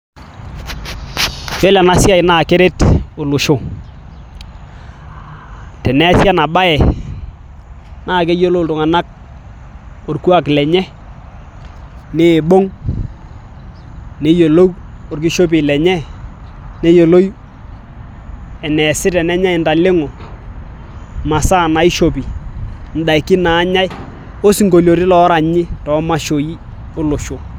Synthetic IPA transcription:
t͡ʃɔ˦lɛ˨na˦sja˨ɪ˨na˦˨ke˦ɾe˦tʊ˨lʊ˨ʃo˦˨ | tɛ˨nɛ˦sja˦na˨ba˦ɛ˨ | na˦˨k̬e˦jo˦lo˦tʊ˨ŋa˨na˦k̚ | o˨ɾku˦a˨klɛ˨ɲɛ˦ | nɪ˦˨ɓo˦ŋ | ne˨˦jo˨lo˦wo˨rk̬ɪ˦ʃo˦p̬ɪ˨lɛ˨ɲɛ˦ | ne˦jo˨lo˦j | ɛ˨nɛ˨sɪ˦tɛ˨nɛ˦ɲa˦jnda˨lɪ˦ŋʊ˨ | ma˨sa˦˨na˨ɪ˦ʃo˨pi˨n̩˨da˨kɪ˦na˨˦ɲa˦j | o˦si˨ŋko˨lo˨ɾɪ˦lɔ˨˦ɾa˨ɲɪ˦tɔ˨˦ma˦ʃo˨ji˦ | o˦lʊ˨ʃo˨

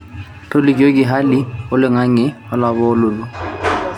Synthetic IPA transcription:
tʰo˦li˨ko˦k̬ɪ˨ɦa˦li˦ʊ˦lɪ˦ŋa˦ŋɪ˦ | ɔ˦la˨βɔ˦lʊ˨lʊ˦

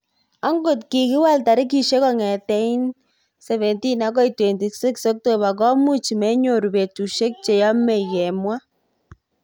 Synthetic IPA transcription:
a˦ŋɡo˨tki˨kɪ˦wa˦lta˨ɾɪ˦k̬i˨ʃe˦kɔ˦ŋɛ˨tɛ˦i˦n | sɛ˨βɛ˨nti˦na˦k̬ɔ˦i˨twe˨nti˨se˦kso˦k̚to˦˨βa˨k̬ɔ˦mu˦t͡ʃi˨mɛ˦ɲo˦˨ɾu˨be˨tu˨ʃe˦k̚t͡ʃe˨jɔ˦me˨kɛ˨mwa˦

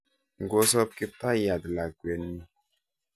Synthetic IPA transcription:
ŋ̩˨ɡo˦sɔ˦p̚ki˦ta˦ja˨dla˨ɡwɛ˨nːi˦

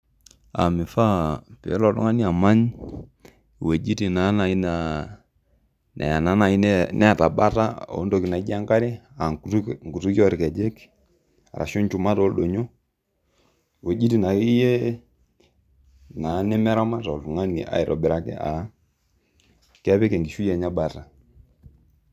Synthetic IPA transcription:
a̰˨mi˨fa˦pḭ˨˦lɔ˨tṵ˦ŋa˦ni˦a˨ma˦ɲ˨ | we˨d͡ʒi˦ti˨na˨˦na˨i˦na˨ | nɛ̰˨a˨na˨˦na˨i˦nɛ˦a˨ta˨ɓa˦ta˦o̰˨˦ndo˨ki˨na˨˦ɡi˦a˦ŋka˦ɾi˦a˨˦ŋɡu˨tu˦ki˦ɔ˦ɾkɛ˨d͡ʒe˦k | a̰˨ɾa̰˨ʃɔ˦nt͡ʃu˨ma˦to˦ɗo˨ɲo˦ | we˨d͡ʒi˦ti˨na˨i˦je˦ | na˨˦nɛ˦mɛ˦ɾa˦ma˦tɔ˨u˨ŋa˦nḭ˨ʔa̰˨i˨ɾɔ̰˨ɓɛ˨ɾa˨kɛ̰˦ʔa̰˨˦ | kɛ˦βɛ˦kɛ˨ŋɡi˨ʃu˦jɛ˨ɲa˦ɓa˨ta˨

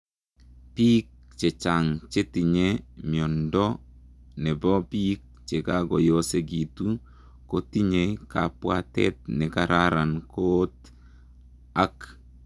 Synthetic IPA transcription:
pi˦k̚t͡ʃe˨t͡ʃaŋt͡ʃe˦ti˨ɲe˦mi˨ɔ˨ndɔ˦ | nɛ˨bɔ˦pi˦k̚t͡ʃe˨kaɡɔ˨jo˦se˨ɡi˨tu˦ | koti˦ɲekapwatɛ̰˦t̚nɛ˨kaɾaɾankot | a˦k

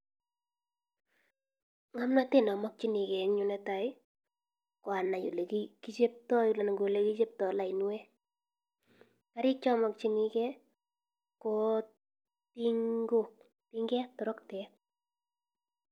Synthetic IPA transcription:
ŋa˦mna˦te˦˨nɔ˨mɔ˦k̚t͡ʃi˦ni˨ke˨˦ɲʊ˨nɛ˦ta˨ɪ˦ | kwa˨na˨jo̰˨le˨ki˦ki˦t͡ʃe˦p̚tɔ˦ju˨la˨na˨ŋɡo˨le˦ki˦t͡ʃe˦p̚tɔ˨la˨ɪ˨nu˦e˦ | ka˦ɾɪ˦t͡ʃɔ˦mɔ˨k̚t͡ʃi˦ni˦kɛ˦ | ko˦ | ti˦ŋɡo˦k̚ | ti˦ŋɡɛ˦tɔ˨ɾɔ˦ktɛ˨˦

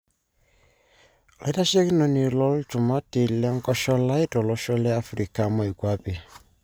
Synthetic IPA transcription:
li˦ta˦ʃe˦ki˦nɔ˨ni˨lɔ˦lt͡ʃu˨ma˦te˨lɛ˦ŋkɔ˦ʃɔ˦la˦i˦tɔ˨lɔ˦ʃɔ˦lɛ˦a˦fɾi˨ka˨mɔ˦˨i˨kwa˦pi˨

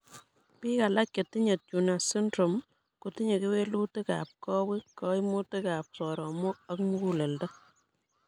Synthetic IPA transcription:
pi˦ka˨la˦kje˨ti˦ɲe˨t̚t͡ʃuna˨sɪ˦ndɾo˨m | kuti˦ɲe˨ke˦we˦lu˦tɪ˦ka̰˨p̚kɔ˦wi˦kːɔ˦imu˦tɪ˦kaː˨p̚sɔɾɔ˨mo˦a˦kmu˦ku˦le˨ldɔ˦

